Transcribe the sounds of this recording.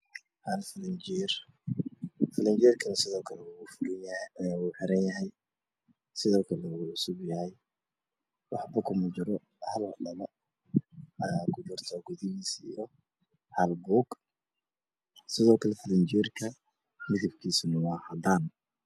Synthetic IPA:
halfɪlɐnd͡ʒiːr | fɪlɐnt͡ʃɛːrkʰɐnɐsɪðɔːkʰɐlɛwuɣʊfʊɾɪnjuːħɛɾɐnjɐɦɛj | sɪðɔːkʰɐlɛɣʊʕʊsʊbjɐhɛj | wɑħbɐkʰʊmɐt͡ʃɪɾɔ | hɐldɐlɐ | ɐakʰʊd͡ʒʊːrt̪ʰɔːɡʊðɪɣiːsijɔ | hɐlbuːɡ | sɪðɔːkʰɐlɛfɪlɪnt͡ʃiːrkʰɐ | mɪðɪbkʰiːsʊnɐwɑːhɐd̪aːn

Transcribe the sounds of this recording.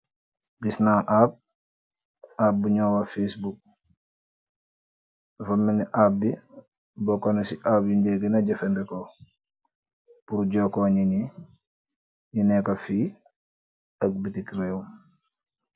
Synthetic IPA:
bisnaʔab̚ | ab̚ːuɲoːwafesbuk̚ | fɐmːiniʔabːi | bokonesiʔabjindeɡinaɟɐfendeko | puɾɟokoɲiɲi | ɲinekafi | ɐk̚bitikɾeum

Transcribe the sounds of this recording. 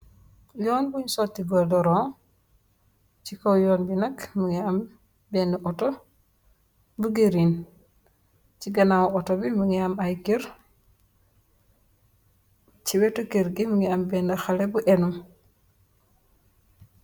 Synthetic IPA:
jɔːnbuɲsotːiɡɔdɔɾɔŋ | t͡ʃikowjɔːnbinɐkmuŋiam | bɛndeʔɔto | buɡeɾin | t͡ʃiɡɐnawɔtobimuŋiamajɡiɾ | t͡ʃiwɛtokeɾɡimuŋiambɛndɐxalebuʔenum

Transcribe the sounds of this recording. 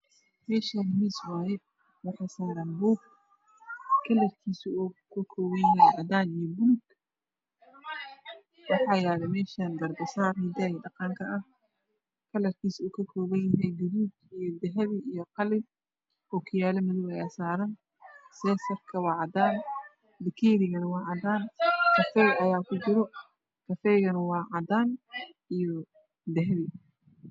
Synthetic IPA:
mɛːʃahɐmiswaːjɛ | wɑħɑjsaːɾɐːnbuːɡ | kʰɐlɐrkʰiːsuɔːkʰɐkʰɔːwɐjɦɛjʕɐdaːnijɔbʊlʊɡ | wɑħɑːjaːlɛmɛːʃaːnb̪ɐrb̪ɐsaːrhɪd̪aːjɛɖɑqɑŋkʰɐʔɐh | kʰɐlɐrkʰiːsuːkʰɐkʰɔːβɐjjɐɦɛjɡɐβuːd̪ijɔd̪ɛɦɐβɪʔijɔqɑlɪb̚ | hɔːkʰɪjaːlɛmɪðʊβɐjaːsaːɾɐn | sɛːsɐrkʰɐwɑːʕɑd̪aːn | d̪ɪkʰiːɾɪɣɐnɐwɑːʕɑd̪aːnkʰɐfɛjɐjaːkʰʊd͡ʒɪɾɔ | kʰɐfɛjɣɐnɐwɑːʕɑd̪aːn | ijɔ | d̪ɛɦɛβɪ

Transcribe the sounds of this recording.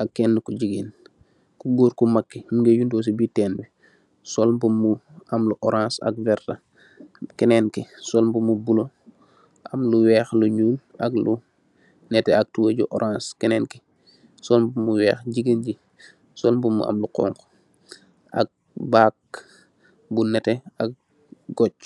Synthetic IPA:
ʔɐkːɛnːukuɟiɡen | kuɡoːɾkumakːimuŋɡejundɔːs̬ibitɛːnbɛ | sɔlmbumuamluʔɔɾãːnsɐ̰k̚vɛɾtɐ | kɛnɛnkɛsɔlmbumubulo | ʔɐmluwɛːxluɲuːlʔɐklu | nɛtɛɐk̚tuwəɟṵʔɔɾʔãːskɛnɛnki | sɔlbumːuwɛːxɟiɡənɟi | sɔlmbummṵʔɐ̰mluqɔ̰ŋk | ʔɐ̰k̚ | baːk̚ | bunɛtɛɐk̚ | ɡɔt͡ʃ

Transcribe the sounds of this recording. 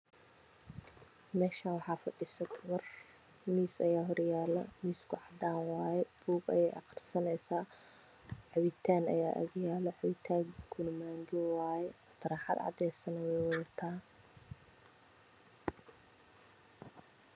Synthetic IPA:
mɛːʃaːnwɑħɑːfɐɖɪsɐd̪ʊwɐr | miːsɐjaːɦɔɾjaːlɐmiːskʰʊʕɑd̪aːnwɑːjɛb̥uːɡɐ̰jɛjʔɑ̰qɑ̥rsɐnɛjsaː | ʕɑwɪt̪ʰaːnɐ̰ja̰ːʔɐ̰ɣjaːlɐʕɑwɪt̪ʰaːɡiŋkʰʊnɐmaːŋɡɪwaːjɛɔt̪ʰɐɾaːħɑ̰d̪ʕɑ̰d̪ɛjsɐnɐwɛwɐðɐt̪ʰaː

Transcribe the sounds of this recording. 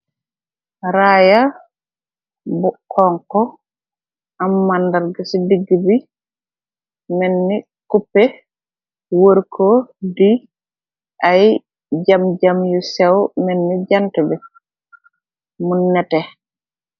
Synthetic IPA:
ɾaja | bukʰːɔŋkɔ | ʔamːandaɾɡasidiɡːibi | mɛnːi | kupːɛ | woɾkʰɔdi | ʔaj | d͡ʒamd͡ʒamjusɛwmɛnːid͡ʒantɛbɛ | munːɛtɛ

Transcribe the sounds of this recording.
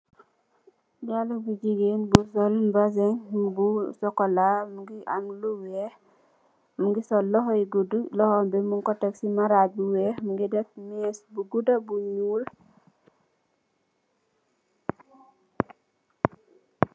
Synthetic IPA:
jalubud͡ʒiɡenbusɔlnbazɛŋbusɔkɔlamuɡiʔamluwɛh | muŋɡisɔlɔɦɔiɡudulɔhɔmbɛmuŋkɔtɛksimaɾabuwɛmuŋɡidɛtmɛsbuɡudabuɲuːl

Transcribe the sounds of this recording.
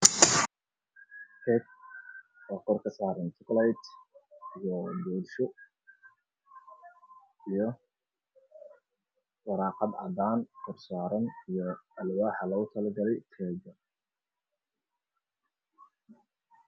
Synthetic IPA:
hʰɛk̚ | wɑːqɔrkʰɐsaːɾɐnt̪ʰʊklajt̪ijɔbɔːdʃɔ | ijɔ | wɑɾɑːqɑd̪ɐ̰d̪aːnkʰɔrsaːɾɐnijɔɐlwaːħɐlɐʊt̪ʰɐlɐɡɐlɛjt̪ʰɛːɡɐ

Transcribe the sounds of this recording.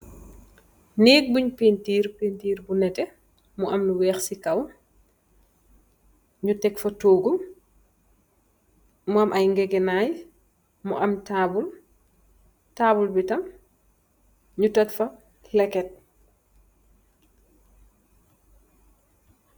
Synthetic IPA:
niːk̚buɲpentiːɾpentiːɾbunɛtɛ | muʔɐmnuwɛːxsikɐw | ɲutɛkfɐtoːɡum | muɐmʔɐjŋɡɛɡɛnaːj | muʔɐmtaːbul | taːbulbitɐm | ɲutɔtfɐ | lɛkɛt̚

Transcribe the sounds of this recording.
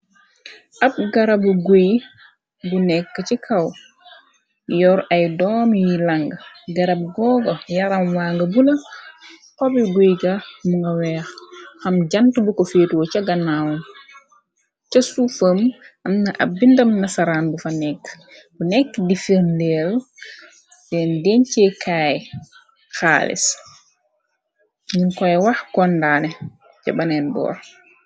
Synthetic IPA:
ʔɐp̚ɡɐɾɐbuɡuj | bunɛkːɐcikʰɐw | jɔɾɐjdɔːmjilɐŋɡɐɡɐɾɐb̚ɡɔːɡojɐɾɐmwaŋɡɐbulɐ | kɔbiɡujɡɐmuŋɡɐwɛːxxɐmɟɐntubukofeːtwɔcɐɡɐnːawun | t͡ʃɐsufəːmʔɐmnɐʔa̰bːindɐmnɐsaɾaːnbufɐnɛkː | bunɛkːdifəːmlɛːl | dɛndɛnt͡ʃɛkʰaːj | xa̰ːlḭs | ɲinkɔjɛwaxkɔndanɛ | t͡ʃa̰banɛnbɔ̰ːɾ

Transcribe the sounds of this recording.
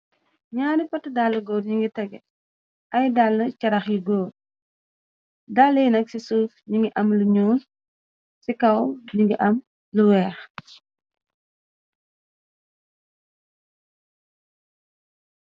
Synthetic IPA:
ɲaːnipɐtːədalːəɡɔːɾɲiŋɡitɛɡɛ̰ | ʔɐjdalːəcɐɾɐxjiɡɔːd̚ | dalːəjnɐk̚sisuːfɲiŋɡiʔɐmluɲuːn | sikɐwɲiŋɡiʔɐm | luwɛːx

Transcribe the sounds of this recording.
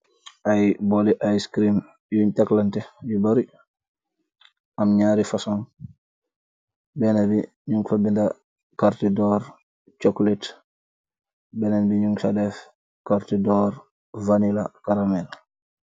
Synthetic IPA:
ʔajbɔliʔajskɾim | juɲtɛklɐntɛjibaɾi | ʔɐmɲaːɾifasɔn | bɛnabi | ɲuŋɡfabindɐ | kaɾtidɔːɾ | t͡ʃɔklit | bɛnanbiɲuŋɡfadɛf | kaɾtidɔːɾ | vanila̰kaɾamɛl

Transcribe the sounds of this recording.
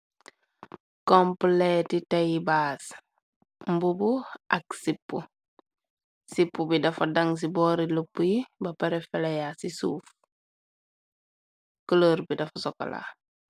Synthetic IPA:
kompletitajbaːs | mbubuʔaksipːṵ | sipːubidɐfɐdaŋs̬ibɔːɾilupːujibɐpaɾefɛlajasisuːf | kəloɾbidɐfasɔkːa̰la̰ː

